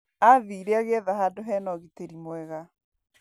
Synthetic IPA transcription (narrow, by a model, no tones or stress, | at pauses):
aðiːɾeaɣeɛðahadoɦɛnɔɣeteɾimwɛɣa